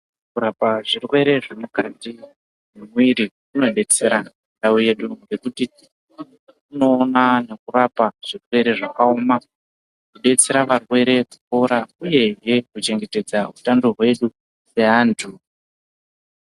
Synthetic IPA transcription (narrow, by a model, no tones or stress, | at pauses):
kuɾapaʐirwe̞ɾe̞ʐemukati | memwiɾi | uno̞ɗe̞t͡se̞ɾa | ɗauje̞ɗuŋɡe̞kuti | uno̞ːnane̞kurapaʐ̥irwe̞ɾe̞ʐakaoːma | kiɗe̞t͡se̞ɾaʋarwe̞ɾe̞ku̥koɾauje̞ʐe̞kut͡ʃe̞ŋɡe̞te̞d͡zautandorwe̞ɗu | se̞ɦaːntʰu